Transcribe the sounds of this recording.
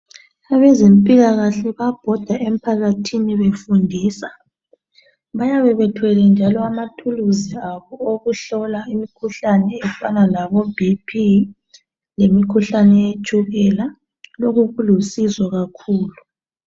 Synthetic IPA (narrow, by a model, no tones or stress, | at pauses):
aβɛzempʼiɣaɣaɬɛβab̥ʱɔd̥ʱaʔem̩pʰaɣatʰiniβefundʱiːsa | βajaβɛβɛtʰwɛlɛnd͡ʒʱalɔamatʰuluziaβɔoɣuɬɔlaimikʰuɬanɛːfanalaβɔbʱipʰi | lemikʰuɬanɛet͡ʃʼuɣɛla | loɣuɣulusizɔɣakʰuːlu